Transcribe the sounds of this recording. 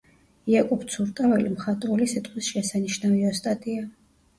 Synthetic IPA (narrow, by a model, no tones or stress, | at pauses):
iakʼɔpt̪sʰuɾt̪ʼavɛlḭmχat̪ʼɾɔlisit̪ʼqʰʼwisʃɛsaniʃnaviɔst̪ʼat̪ʼia